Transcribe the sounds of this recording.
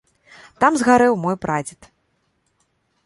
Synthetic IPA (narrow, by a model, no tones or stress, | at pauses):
t̪amzɣaɾɛwmɔjpɾad͡zʲit̪